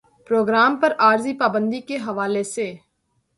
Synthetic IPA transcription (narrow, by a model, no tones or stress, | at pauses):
pɾoːɡɾaːmpəɾaːɾziːpaːbə̃nd̪ikeɦɐʋaːleseː